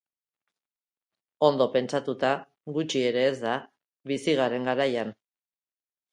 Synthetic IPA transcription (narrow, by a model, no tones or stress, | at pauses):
o̞nd̪o̞pe̞nt͡sat̪ut̪a | ɣut͡ʃie̞ɾe̞ːzd̪a | βisiɣ̞aɾe̞ŋɡaɾajan